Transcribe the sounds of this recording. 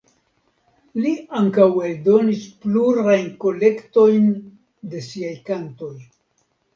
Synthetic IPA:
liaŋkawe̞ldo̞nispluɾajnko̞le̞kto̞jn | de̞siajkanto̞j

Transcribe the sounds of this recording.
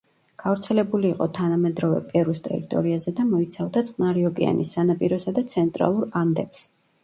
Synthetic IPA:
ɡ̥avɾt̪sʰɛlɛbuliːqʼɔt̪ʰanamɛd̪ɾɔvɛ̰pʼɛɾist̪ʼɛ̰ɾit̪ʼɔ̰ɾiazɛd̪amɔit̪sʰavd̪at̪sʼʰnaɾiɔɡɛ̰a̰nʔisːanapʼiɾɔsad̪at̪sʰɛnt̪ʼɾa̰lˠuɾand̪ɛps

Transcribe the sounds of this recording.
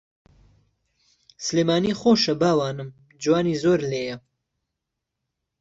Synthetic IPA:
sɨleːmaːniːχoːʃɐbaːwaːnɨm | d͡ʒwaːniːzoːɾleːjɐ

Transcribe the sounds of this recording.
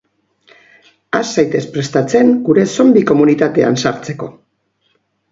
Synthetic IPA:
asajt̪e̞spɾe̞st̪at͡se̞ŋɡuɾe̞so̞mbiko̞munit̪at̪e̞a̰nsaɾt͡se̞ko̞̰

